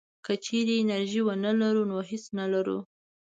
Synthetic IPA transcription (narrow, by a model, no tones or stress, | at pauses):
kət͡ʃeɾeːnaɾʒiwənəlaɾunoɦesnalaɾṵ